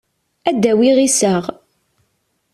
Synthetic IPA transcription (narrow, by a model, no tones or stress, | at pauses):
æd̪ːæwiʁisəʁ